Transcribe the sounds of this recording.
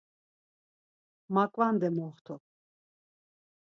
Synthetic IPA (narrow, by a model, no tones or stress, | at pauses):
makʼvand̪ɛmɔχt̪ʰɔ